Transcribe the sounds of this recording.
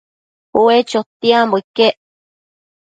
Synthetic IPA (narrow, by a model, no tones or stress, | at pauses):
uet͡ʃot̪iamboikeʔ